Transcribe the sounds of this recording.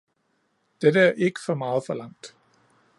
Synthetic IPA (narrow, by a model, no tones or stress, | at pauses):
d̥edəæɐʔe̝ɡ̥ə̥fɒ̽mɑ̈ːð̞̩ˠfɒ̽lɑ̈ŋ̰d̥